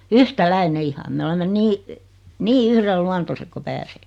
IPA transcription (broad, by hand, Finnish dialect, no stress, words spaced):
yhtælæine ihɑ me olemːen niː niː yhrelːuɑntoset ko pæːseːki̥